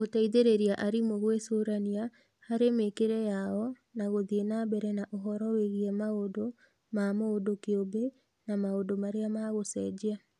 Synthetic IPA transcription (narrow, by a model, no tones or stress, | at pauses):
ɣotaiðeɾeɾiaʔaɾimoɣwesoɾania | haɾemekeɾɛjaɔ | naɣoðienabɛɾɛnaʔoɦɔɾɔweɣiɛmaodo | mamoodokeobe | namaodomaɾeamaɣosɛd͡ʑea